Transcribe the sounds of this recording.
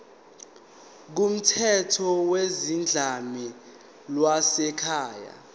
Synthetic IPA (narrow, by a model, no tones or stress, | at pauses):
k̬um̩tʰɛtʰɔwezind͡ɮʱami | lwasɛkʰaːja̰